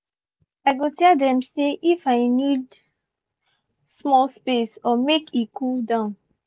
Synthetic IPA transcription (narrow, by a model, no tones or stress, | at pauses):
aɪɡotɛldɛ̃mseʔifaɪnid | smɔlspesɔmekʰikʰudãʊ̃n